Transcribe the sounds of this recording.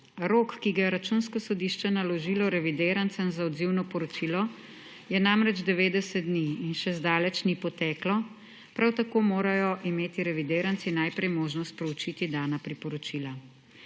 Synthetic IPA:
ɾoːkːiɡajɛɾat͡ʃuːnskɔsɔd̪iːʃt͡ʃɛnalɔʒilɔɾɛʋid̪eːɾant̪sɛmzaɔd̪ziwnɔpɔɾɔt͡ʃiːlɔ | jɛnamɾɛd͡ʒd̪ɛʋeːd̪ɛsɛt̪̚d̪niːnʃɛzd̪aːlɛt͡ʃnipɔt̪ɛːklɔ | pɾawt̪akoːmoːɾajɔʔimeːt̪iɾɛʋid̪eːɾant̪sinajpɾɛjmoːʒnɔst̪̚pɾɛut͡ʃit̪id̪aːnapɾipɔɾɔt͡ʃiːla

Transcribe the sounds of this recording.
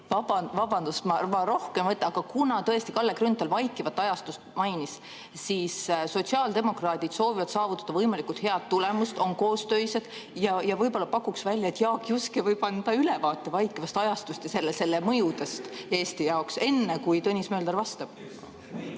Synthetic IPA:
vɑbɑvɑbɑnd̪usmɑrvɑɾo̞hke̞mvɤt̪ːˑɑɑɡ̥ɑkunɑt̪ɤest̪ikɑlːekrynt̪ːˑɑlvɑjkːˑivɑt̪ːˑɑjɑst̪ust̪̚mɑjnis | siːsso̞t̪ʲsiɑːld̪e̞mo̞krɑːt̪ʲid̪̥so̞ːvivɑd̪sɑːvut̪ːˑɑ̥d̪ɑvɤjmɑlikˑult̪heɑd̪̥̚t̪ːule̞must̪o̞nko̞ːst̪ø̞jse̞d̪̥ | jɑjɑvɤjbo̞lːɑpɑkːˑuksvælʲjɑet̪ːˑjɑːkjuskivɤjb̥ɑnd̪̥ɑylɛvɑːt̪ːˑe̞vɑjkːˑivɑst̪ɑjɑst̪ust̪jɑse̞lːese̞lːemɤjud̪est̪e̞ːst̪ijɑokse̞nːekujt̪ɤnʲismø̞ːld̪erɾvɑst̪ɑb̥

